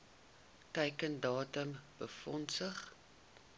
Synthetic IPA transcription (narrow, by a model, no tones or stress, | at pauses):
tɛjkəndɑːtəmb̥əfɔnsəχ